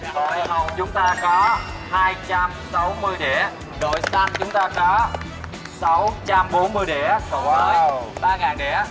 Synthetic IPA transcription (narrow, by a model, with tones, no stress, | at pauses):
o˧˩jhə˨˩w̚t͡ɕʊ˨˦ŋ͡mt̪aː˧kɔ˨˦haː˧jt͡ɕa˧msa˨˦wmɨ˧əjɗḛ˧˩ | ɗo̰˧˨jsa˧nt͡ɕʊ˨˦ŋ͡mt̪aː˧kɔ˨˦ | sa˨˦wt͡ɕa˧mɓo˨˦nmɨ˧əjɗe˧˩kːa˨˦ɓaː˧ŋaː˨˩nɗɛ̰˧˥